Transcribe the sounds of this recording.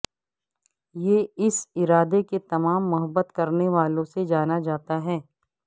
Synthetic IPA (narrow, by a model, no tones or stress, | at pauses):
jeɪsɪɾaːd̪eket̪ɐmaːmːʊɦəbːət̪kɐɾneʋaːlõsed͡ʒaːnad͡ʒaːt̪aɦɛː